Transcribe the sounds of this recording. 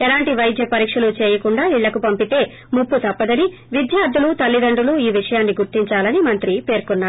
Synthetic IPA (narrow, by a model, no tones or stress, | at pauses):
ɛlaːɳʈiʋɐjd̪ʱjɐpɐɾiːkʂɐlut͡ʃeːjɐkuɳɖaːiɭːɐkupɐmpit̪e̞ː | mupːut̪ɐpːɐd̪ɐni | ʋid̪jaːɾd̪ʱulut̪ɐlːid̪ɐɳɖuluiːʋiʂɐjaːnːiɡuɾt̪iɲt͡ʃaːlɐnimɐnt̪ɾipe̞ːɾkunːaːɾu